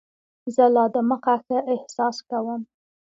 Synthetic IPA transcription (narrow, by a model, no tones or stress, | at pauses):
zəlɑd̪əməqaxaʔɪhsɑskawəm